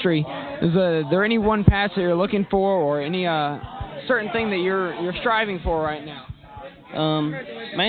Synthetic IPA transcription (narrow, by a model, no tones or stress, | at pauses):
tɹ̥iɨzðɨðə˞ɛñiwʌ̃npʰæsðɨt͡ʃə˞lʊkɪ̃ŋfə˞ə˞ɛniʌsɜ˞ʔn̩θɪ̃ŋðɨt͡ʃə˞jə˞stɹ̥aɪvɪ̃ŋfə˞ɹaɪtⁿnaʊ | ʔʌ̃mmæ